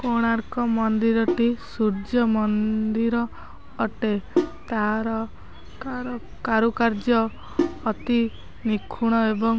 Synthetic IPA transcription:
koɽ̃aɾkɔmɔnd̪iɾɔʈisuɾd͡ʒɔmɔnd̪iɾɔː | ʈet̪aɾɔ | kaɾɔ | kaɾukaɾd͡ʒɔː | t̪i | nikʰuɽ̃ɔebɔŋ

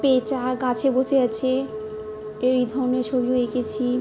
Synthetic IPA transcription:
pet͡ɕaɡat͡ɕʰeboseat͡ɕʰe | eɾid̪ʱɔneɾt͡ɕʰobioekʰet͡ɕʰi

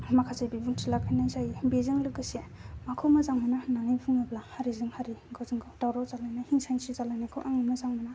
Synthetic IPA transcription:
makʰazajbibɯŋtʰilakʰajnajsajbezɯŋlɯkɯsemakʰumazaŋmɯnananajpʰuŋablahaɾizɯŋhaɾiɡazɯŋɡɔwdawɾɔzalajnahiŋsajnsizalajnakʰɯ̰ʔaŋɯmazaŋmɯna

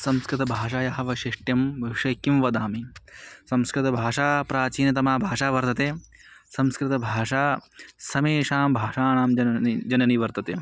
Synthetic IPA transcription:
sɐmskɾɪt̪ɐbʱaːʂaːjɐɦɐʋɐʃiʂʈjɐmbʱɐʂɐkːimʋɐd̪aːmisɐmskɾɪt̪ɐbʱaːʂaːpɾaːt͡ʃiːnɐt̪̬ɐmaːbʱaːʂaːʋɐɾt̪ɐt̪eː | sɐmskɾɪt̪ɐbʱaːʂaːsɐmeːʂaːmbʱaːʂaːnaːmd͡ʒɐid͡ʒɐnɐniʋɐɾt̪ɐt̪ḛː

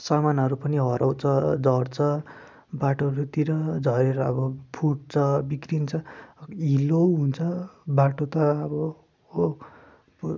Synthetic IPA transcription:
sʌmanɦʌɾupʌniɦʌɾawt͡sʰʌd͡zʱʌrt͡sʰʌ | baʈoʌɾut̪iɾʌd͡zʱʌɾeɾʌːbʌpʰuʈ̚t͡sʰʌbikrint͡sʰʌiloɦunt͡sʰʌbaʈot̪ʌːbʌ | o

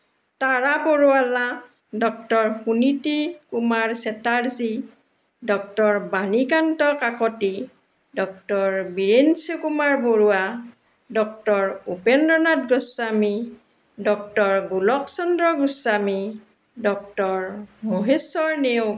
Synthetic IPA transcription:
taɹapoɹuala | dɔk̚tɔɹhunitikumaɹsɛtaɹzi | dɔk̚tɔɹbanikantɔkakɔti | dɔk̚tɔɹbiɹensɔkumaɹboɹua | dɔk̚tɔɹupendɔnat̚ɡɔsːami | dɔk̚tɔɹɡulɔksɔndɹɔɡusami | dɔk̚tɔɹmoɦesɔɹneʊ

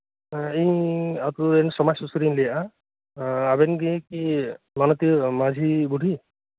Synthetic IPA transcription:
iat̪uensɔmasusuɾinlijaʔa | abenɡiki | manɔt̪imad͡ʒʱibuɽʱi

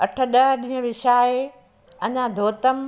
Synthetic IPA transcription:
ɐʈʰə̆ɗɐɦɗĩːɦə̃ʋɪʃaːe | ɐɲãd̪ʱoːt̪əm

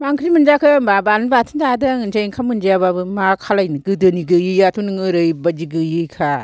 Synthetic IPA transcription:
maŋkʰɾimɯnd͡ʒakʰɯmbabanbatʰɯnd͡ʒadɯŋnd͡ʒajŋkʰamɯnd͡ʒijababɯmakʰalajnɯɡɯdɯniɡɯjɯjatʰunɯŋɯɾɯjbad͡ʒiɡɯjɯjkʰa

